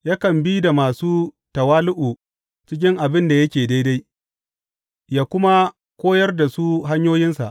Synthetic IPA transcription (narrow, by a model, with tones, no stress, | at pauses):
jaː˦kɐ˨mbiː˦da˨maː˨suː˦ | tɐ˨waː˦lʊ˦ʔu˨ | t͡ʃɪ˦k̬ʲɪ˦ŋʔa˨bɪ˦nda˨jɐ˦kʲeː˨da˦jda˦j | jaː˦kʷʊ˦ma˦ | kʷoː˦jɐ˦rda˨su˦ɦa˦ɲjoː˦jɪ˦nsa̰˨ʔ